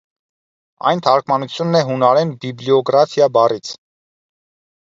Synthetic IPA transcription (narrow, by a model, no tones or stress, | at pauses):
ɑ̰jnt̪ʰɑɾkʰmɑnut͡sʰjunːɛɦunɑɾɛnbibliɔɡɾɑt̪ʰjɑbɑrit͡sʰ